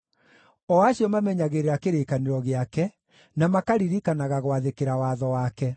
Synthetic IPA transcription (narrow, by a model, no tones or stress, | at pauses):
ɔaɕiɔmamɛɲaɣeɾeɾakeɾeːkaniɾɔɣeakɛ | namakaɾiɾikanaɣaɣwaðekeɾawaðɔwakɛ